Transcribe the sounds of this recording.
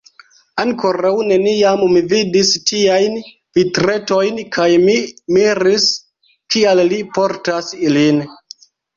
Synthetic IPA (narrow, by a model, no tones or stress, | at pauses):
aŋko̞ɾawne̞niammividistiajn | vitɾe̞to̞jnkʰajmimiɾis | kiallipo̞ɾtasilin